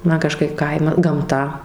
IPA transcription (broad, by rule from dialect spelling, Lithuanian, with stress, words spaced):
ˈmɐn kɐˈʃkɐɪp ˈkɐɪmɐ ˈɡɐmtɐ